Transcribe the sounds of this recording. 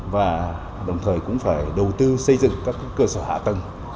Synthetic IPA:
vaː˨˩ | ɗə˨˩wŋ͡mt̪ʰəː˨˩jkʊ̰˧˥ŋ͡mfaː˧˩jɗə˨˩wt̪ɨ˧sə˧jzɨ̰˧˨ŋkaː˦˥kːkːəː˧səː˧˩ha̰ː˧˨t̪ə˨˩n

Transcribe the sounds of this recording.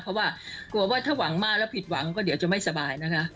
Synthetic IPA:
pʰɾɔ˦˥waː˥˩ku˨˩əwaː˥˩t̪ʰaː˥˩wa˩˦ŋmaː˥˩k̚lɛː˦˥wpʰi˨˩t̪̚wa˩˦ŋkɔː˥˩di˨˦wt͡ɕa˨˩ma˥˩jsa˧baː˧jna˦˥kʰa˦˥ʔ

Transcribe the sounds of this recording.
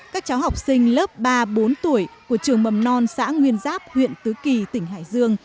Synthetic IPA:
kaː˦˥k̚t͡ɕaː˨˦wɦa˨˩wk͡p̚sï˧ŋ̟ləː˦˥p̚ɓaː˧ɓo˨˦nt̪u˧˩əjku˧˩ət͡ɕɨ˨˩əŋɓə˨˩mnɔ˧nsa̰ː˧˥ŋwi˧ənzaː˦˥p̚hwḭ˧˨ənt̪ɨ˨˦ki˨˩t̪ï˧˩ŋ̟ɦa̰ː˧˩jzɨ˧əŋ

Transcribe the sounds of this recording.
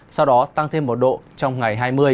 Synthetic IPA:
sa˧wɗɔ˨˦t̪a˧ŋt̪ʰe˧mːo˨˩t̚ɗo̰˧˨t͡ɕɔ˧wŋ͡mŋa˨˩jɦaː˧jmɨ˧ə

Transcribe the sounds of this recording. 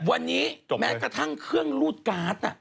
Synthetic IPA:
wa˧nːiː˦˥mɛː˦˥kɾa˧t̪ʰa˥˩ŋkʰɯ˥˩əŋluː˥˩t̪̚kaː˨˦˥t̪̚a˧˩

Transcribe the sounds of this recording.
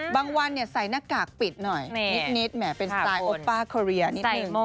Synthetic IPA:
baː˧ŋwa˧nːi˥˩ɐsa˨˩˦jna˦˥kaː˨˩k̚pi˨˩t̪̚nɔ˨˩jni˦t̪̚ni˦˥t̪̚mɛː˩˦˥pe˧nsaː˧jʔoː˦˥pːaː˥˩kʰɔ˧ɾi˧ɐni˦˥˧ɯ˧ŋ˧

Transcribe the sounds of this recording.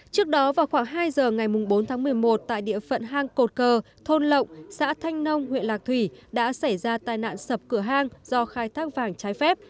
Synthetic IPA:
t͡ɕɨ˦˥ək̚ɗɔ˨˦vaː˨˩wxwaː˧˩ŋɦaː˧jzəː˨˩ŋa˨˩jmʊ˨˩ŋ͡mɓo˨˦nt̪ʰa˨˦ŋmɨ˨˩əjmo˨˩t̚t̪a̰ː˧˨jɗḭ˧˨əfə̰˧˨nɦaː˧ŋko˨˩t̚kəː˧˩ | t̪ʰo˧nlə̰˧˨wŋ͡msa̰ː˧˥t̪ʰa˧jŋ̟nə˧wŋ͡mhwḭ˧ənlaː˨˩k̚t̪ʰwi˧˩ɗa̰ː˧˥sa˧˩jzaː˧t̪aː˨˩jna̰ː˧˨nsə˨˩p̚kɨ˧˩əɦaː˧ŋz̥ɔ˧xaː˧jt̪ʰaː˦˥k̚vaː˨˩ŋt͡ɕaː˨˦jfɛ˦˥p̚

